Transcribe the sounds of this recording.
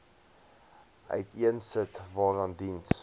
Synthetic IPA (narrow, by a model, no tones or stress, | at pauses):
ʔœ̰ɥtiənsətvɑːrɑndins